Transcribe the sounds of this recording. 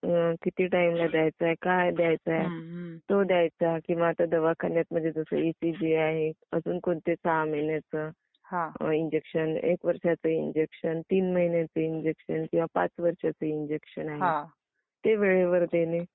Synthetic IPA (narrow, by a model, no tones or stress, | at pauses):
kit̪iːʈaimlad̪jajt͡saɦekajd̪jajt͡saet̪od̪jajt͡sakĩw̃ʋaːt̪ad̪əʋakʰanjat̪̚m̤əd͡ʑʱed͡zəsə̰isid͡ʑiaɦeəsuːnkoɳt̪et͡sɦaməɦinjat͡sə | hãind͡ʑekɕənḛkʋəɾʂat͡səind͡ʑekɕənt̪iːnməɦinjat͡səind͡ʑekɕənkĩw̃ʋapa̰t͡sʋəɾʂat͡səind͡ʑekɕənaɦea | t̪eʋeɭeʋəɾd̪ene